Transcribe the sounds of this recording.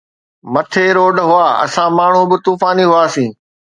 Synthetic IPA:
mɐt̪ʰeːɾoːɖɦʊaːɐ̰sãmaːɳ̤ũbɪt̪uːfaːniɦʊaːsĩː

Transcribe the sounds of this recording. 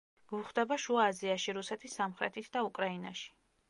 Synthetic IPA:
ɡ̥unχd̪ɛbaʃuaːziaʃiɾusɛt̪ʰisːamχɾɛ̰t̪ʰit̪ʰd̪aukʼɾaina̰ʃi̥

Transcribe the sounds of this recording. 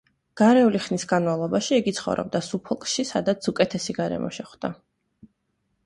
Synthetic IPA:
ɡ̥aɾɛuliχnisɡanmavlˠɔbaʃiɛɡit̪sʰχɔ̰vɾɔ̰b̚d̪asupʰɔlˠkʼʃisad̪at̪sʰukʼɛt̪ʰɛsiɡaɾɛ̰mɔ̰ʃɛχd̪̥a̰

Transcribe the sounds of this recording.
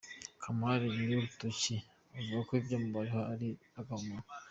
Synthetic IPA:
kʰamaɾiniuɾutuci | avuɡakoibɟomubaɾehoaɾiaɡama

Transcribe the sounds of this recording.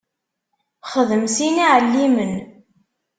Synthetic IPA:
χəðəmsiniʕəlːimən

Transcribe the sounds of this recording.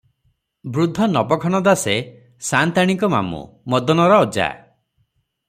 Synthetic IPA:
bɾud̪ʱːɔnɔpɔkʰɔɽ̃ɔd̪ase | sant̪aɽ̃iŋkɔma̰mṵmɔd̪ɔnɔɾɔːd͡ʒa̰

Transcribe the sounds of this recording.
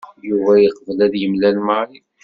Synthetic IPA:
juvæjəqvəlæðjəmlælməɾˤiθ

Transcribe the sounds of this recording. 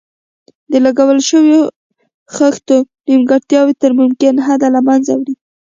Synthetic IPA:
d̪əlaɡawəlʃəwjo | xaxt̪onimɡaɽt̪jɑwit̪əɾmʊmkɪnɦad̪alamanzawɾi

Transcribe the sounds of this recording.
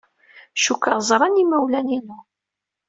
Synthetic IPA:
ʃukːəʁzˤɾˤɑnimæwlæninu

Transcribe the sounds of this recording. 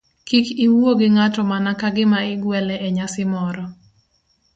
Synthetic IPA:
kikiwoɡɪŋatɔmanakaɡɪmaɪɡwɛlɛeɲasɪmɔɾɔ

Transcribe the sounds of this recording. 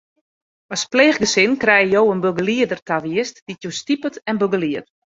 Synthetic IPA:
ɔspleːχɡəsɪnkrɛjəjowənbøɡəliədərtaʋiəstd̥itjostipətɛnbøɡəliət

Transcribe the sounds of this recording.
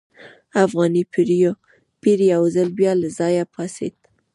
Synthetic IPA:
afɣɑnipiɾjo | piɾjawzəlbjɑlazɑjapʰɑsḛt̪

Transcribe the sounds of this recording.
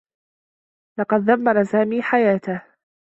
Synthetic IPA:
lɑqɑd̪̚ðamːɑɾˤsaːmiːħajaːt̪ah

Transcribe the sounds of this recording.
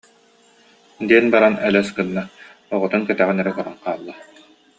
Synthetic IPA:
d̪iɛnbaɾanɛlɛskɯnːa | ɔʁɔt̪unkɛt̪æʁinɛɾɛkɔɾɔnqaːlˠːa

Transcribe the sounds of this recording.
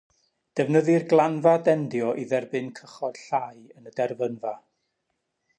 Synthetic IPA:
d̥ɛvnəðɨrɡlˠanvadɛndjɔʔiðɛrbɨnkʰəχɔd̥ɬajənədɛrvənva

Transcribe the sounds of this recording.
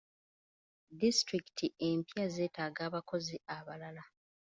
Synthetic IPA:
distɾiktʰiempjaze̞ːtaːɡaːβako̞ziaβalala

